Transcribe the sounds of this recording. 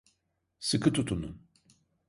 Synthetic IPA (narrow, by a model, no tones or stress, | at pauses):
sɨkʰɯt̪ʰut̪ʰunun